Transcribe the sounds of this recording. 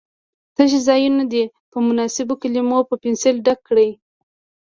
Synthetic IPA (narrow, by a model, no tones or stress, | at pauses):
t̪əʒizɑjunod̪e | pəmʊnɑsɪbokalimopəpɪnselɖakːɽəj